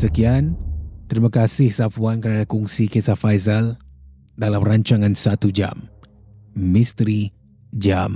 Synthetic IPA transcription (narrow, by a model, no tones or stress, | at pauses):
səkiant̪ɾimãkasɪhsafuankəɾadakuŋsikesafajzal | dalamraɲt͡ʃaŋãnsat̪ud͡ʒa̰m | mist̪ɾi | d͡ʒam